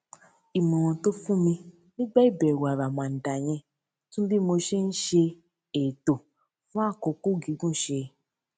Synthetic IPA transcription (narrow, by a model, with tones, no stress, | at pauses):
i˨mɔ̃˨w̃ɔ̃˧to˦fũ˦mĩ˧ | nĩ˦ɡ͡ba˦i˦˨bɛ˨wa˨ɾa˨mã˨n̩˨da˨j̃ɛ̃˧ | tũ˦bi˦mo˧ʃe˦n̩˦ʃe˧ | e˨to˨ | fũ˦a˦˨ko˧ko˦˨ɡi˨˦ɡũ˦˨ʃe˧